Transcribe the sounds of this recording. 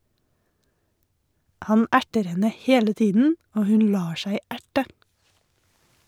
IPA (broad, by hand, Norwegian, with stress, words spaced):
ˈhɑn ˈæʈəɾ ˈhɛnə ˈheːlə ˈtiːdn̩ ˈoː ˈhʉn ˈlɑː ˈʃæɪ ˈæʈə